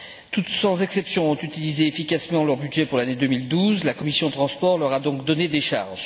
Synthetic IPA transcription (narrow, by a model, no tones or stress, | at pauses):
t̪ut̪sɑ̃zɛksɛpsjɔ̃ɔ̃t̪yt̪ilizeːfikasmɑ̃lœʁbyd̪ʒɛpuʁlaned̪ømild̪uzlakɔmisjɔ̃d̪ət̪χɑ̃spɔʁlœʁad̪ɔ̃kd̪ɔned̪eʃa̰ʁʒ